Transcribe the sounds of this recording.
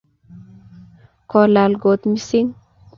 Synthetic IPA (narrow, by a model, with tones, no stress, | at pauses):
kɔ˨la˨lɡo˨t̪mi˦si˦ŋ